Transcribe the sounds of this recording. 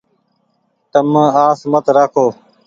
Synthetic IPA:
t̪əmãːaːsmət̪ɾaːkʰoː

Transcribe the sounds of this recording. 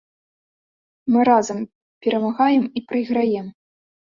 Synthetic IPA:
mɨɾazɐm | pʲɛɾɐmaɣajɛmipɾɨjɣɾajɛm

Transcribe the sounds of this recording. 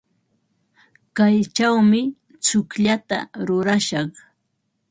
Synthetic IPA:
kajt͡ʃawmɪ | t͡sʊkʎat̪a̰ɾʊɾaʃɑχ

